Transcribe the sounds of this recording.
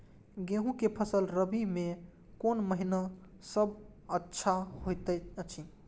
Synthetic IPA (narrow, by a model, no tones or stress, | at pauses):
ɡẽɦũkepʰəsəlɾəbimẽ | konməɦina | səb | ətːʃʰahojt̪ət͡ʃʰi